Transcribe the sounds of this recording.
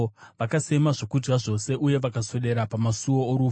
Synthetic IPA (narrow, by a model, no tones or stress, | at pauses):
ʋakase̞maʐo̞kud͡ʒɡaʐo̞se̞ʔuje̞ʋakaso̞ɗe̞ɾapamasuo̞ːɾu